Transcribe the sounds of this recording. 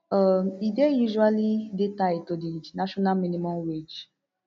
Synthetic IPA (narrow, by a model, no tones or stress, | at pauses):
ɔmidejuʒualidetaitodinaʃɔnamĩnimɔ̃mwed͡ʒ